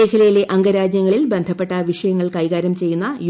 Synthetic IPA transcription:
eːkʰɐlɐjile̞ʔɐŋɡɐɾaːd͡ʑjɐŋːɐɭilbe̞nd̪ʱɐpːe̞ʈːɐʋiʂɐjɐŋːɐɭkɐjɣaːɾɐmt͡ɕe̞jːunːɐj

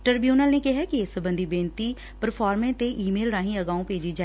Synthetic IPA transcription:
ʈəɾbjuːnəlneːkɪɦɛːkɪɪsbə̃nd̪iːbẽːnt̪iː | pəɾpʰɔːɾmẽːt̪eːʔiːmeːlɾãːɦĩːəɡaːũːpeːd͡ʒiːd͡ʒaː

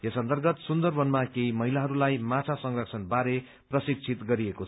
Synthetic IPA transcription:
jʌsʌnt̪ʌrɡʌt̪sund̪ʌrbʱʌnmakejmʌɦilaɦʌɾulajmat͡sʰasʌŋrʌksʰʌnbaɾe | prʌsik̚t͡sʰit̪ɡʌɾiekot͡sʰ

